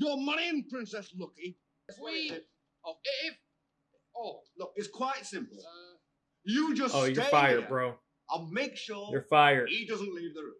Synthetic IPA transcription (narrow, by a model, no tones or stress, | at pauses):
ɡ̥omaɾĩnpʰɹ̥ɪ̃nsɛslʊki | sw | ɪ | onoʊɨtskʰw̥aɪtsɪ̃mpl̩ˠ | jɨd͡ʒʌsojə˞efaɪə˞bɹoʊ | aɪlˠmeɪkʃɔɹjə˞faɪə˞idʌzə̃n̩tlivðə